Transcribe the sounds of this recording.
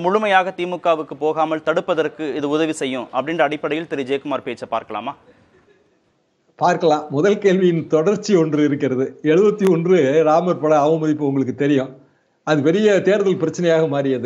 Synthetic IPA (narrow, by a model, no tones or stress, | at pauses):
mʊɻʊmɐjaːɣɐt̪iːmɯkːaːʋɯkːɯpoːɣaːmɐlt̪ɐɽɯpːɐðɐrkɯɪðɯʊðɐʋisɛjːʊ̃ʔɐpːɐɽɪnrɐːɽɪpːɐɽɐjɪlt̪ɛɾɪd͡ʒeːkɯmaːɾpeːt͡ʃːɐpa̰ːɾkɐɭa̰ːmaː | paːɾkɐɭãːmʊðɐlkeːlʋɪjɪnt̪ɔɽɐɾt͡ʃːiɔndrɯɪɾɯk̬ːɪɾɐðɯɛɻɯʋɐt̪ːiɔndrɯɾaːmɐɾpɐɭɐɐʋɐmɐðɪpːɯʊŋɡɐɭɯk̬ːɯt̪ɛɾɪjʊ̃ | ɐðɯpɛɾɪjɐt̪eːɾɐðɐɪlpɪɾɐt͡ʃːɐnɐjaːɣɐmaːɾɪjɐðɯ